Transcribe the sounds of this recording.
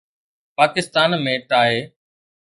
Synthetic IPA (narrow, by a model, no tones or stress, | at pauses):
paːkɪst̪aːnmẽːʈaːɦeː